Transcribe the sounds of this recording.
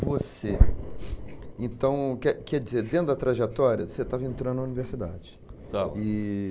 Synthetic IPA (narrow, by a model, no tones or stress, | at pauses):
vose | ẽnt̪ɐ̃w̃kɛkɛd͡ʒizeɾd̪ẽnt̪ʊɐt̪ɾaʒet̪ɔɾiɐset̪avɐẽnt̪ɾɐ̃nd̪ʊnɐuniveɾsid̪a̰d͡ʒɪt̪aɪ